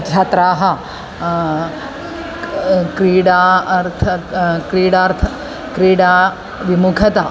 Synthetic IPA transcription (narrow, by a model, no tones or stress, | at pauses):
d͡ʒaːt̪ɾaːɦɐ | kɾiːɽaːɾt̪ʰɐkɾiːɽaːɾt̪ʰɐ | kɾiːɽaː | ʋimukʰɐt̪a